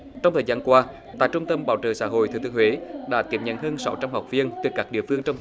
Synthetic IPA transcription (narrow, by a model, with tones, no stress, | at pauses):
t͡ɕɔ˧wŋ͡mt̪ʰəː˨˩jzaː˧nkwaː˧ | t̪a̰ː˧˨jt͡ɕʊ˧ŋ͡mt̪ə˧mɓa̰ː˧˩wt͡ɕəː˨˩sa̰ː˧˥ɦo̰˧˨jt̪ʰɨː˨˩t̪ɨ˨ə˦ŋwe˨˦ɗa̰ː˧˥t̪i˨˩p̚ɲə̰˧˨nɦəː˧nsa˨˦wt͡ɕa˧mha˨˩k͡p̚vi˧ənt̪ɨ˨˩kaː˦˥k̚ɗḭ˧˨əfɨ˧əŋt͡ɕɔ˧ŋ͡m